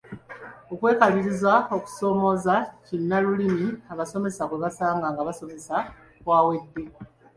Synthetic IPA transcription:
o̞kwe̞ːkaliɾizwao̞ku̥so̞ːmo̞zacinːalulimiaβaso̞me̞sakwe̞βasaːŋɡaŋɡaβaso̞me̞sa | kwaːwe̞d̪ːe̞

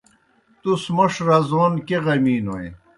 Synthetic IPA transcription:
t̪usmɐʂɾɐzoːnkeɣɐmiːnoḛ

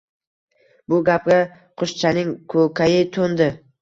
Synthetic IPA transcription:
bʊɡʲap̚ɡʲa | qʰʊʃt͡ʃʰanɪŋkʰɵkʰʲajɪt̪ʰond̪ɪ

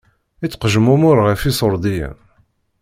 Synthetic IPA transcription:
it͡sːqʒəmumʊɾʁəfisˤoɾˤd̪ijæ̰n

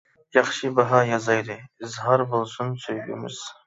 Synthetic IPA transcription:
jɑχʃibɑɦɑjɑzɑjd̪ɨɪzɦɑɾbolˠsʊnsøjɡʲɪ̰mɪ̰z̥

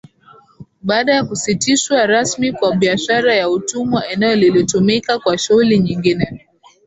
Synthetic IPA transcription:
ɓaːɗajakusitiʃwaɾasmikwaɓiaʃaɾajautumwaʔɛnɛjɔlilitumikakwaʃuhuliɲiŋɡinɛ

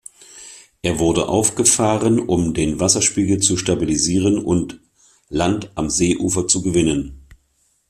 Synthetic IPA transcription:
ʔeːɐvʊɐdəʔa̰ʊfɡ̥əfaːʁənʔʊmdeːnvasɐʃpiːɡl̩t͡suʃtabiliziːʁ̞ənʊnt | lantʔamzeːʔuːfɐt͡suɡəvɪnən

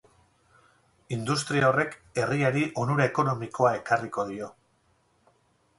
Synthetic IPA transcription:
ind̪ust̪ɾiaore̞ke̞riaɾiʔo̞nuɾaeko̞no̞miko̞ae̞kariko̞ðio̞

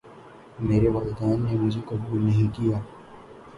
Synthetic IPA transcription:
meːɾeʋaːlɪd̪aːnːemʊd͡ʒʱekɐbuːlnɐɦĩkijaː

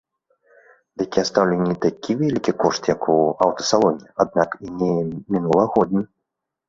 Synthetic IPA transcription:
d̪ɨkʲiɛst̪awlʲɛnʲːit̪akʲʰivʲɛlʲikʲikɔʂt̪jɐkuawt̪ɐ̥salˠɔnʲiad̪̚nakinʲɛmʲinulˠɐɣɔd̪ʲnʲɐ

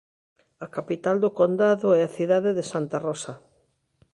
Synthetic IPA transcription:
ɐkapit̪ald̪okond̪aðʊɛaθiðaðeðesant̪arɔsɐ

